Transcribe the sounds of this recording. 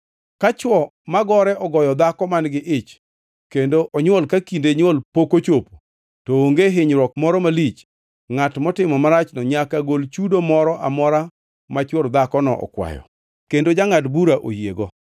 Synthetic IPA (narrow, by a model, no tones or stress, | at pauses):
kat͡ʃwɔmaɡɔɾɛʔɔɡɔjɔd̪akɔmanɡɪʔɪt͡ʃ | kendoʔɔɲwolkakindeɲwolpokot͡ʃopo̥ | tɔoŋɡeɦɪɲɾwɔkmɔɾɔmalit͡ʃ | ŋatmɔtɪmɔmaɾat͡ʃnɔɲakaɡolt͡ʃudomɔɾɔʔamɔɾa | mat͡ʃwoɾd̪akɔnɔʔɔ̰kwa̰jɔ̰ | kendod͡ʒaŋatbuɾaʔo̰jjeɡɔ